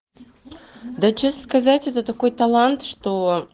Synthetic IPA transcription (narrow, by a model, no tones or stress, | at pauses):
d̪at͡ɕəsːkɐzatʲɛt̪ət̪ɐkojt̪ɐlˠant̪ʂt̪o